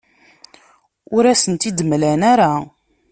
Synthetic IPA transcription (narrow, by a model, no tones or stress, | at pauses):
ʊɾæsənt̪id̪əmlænaɾa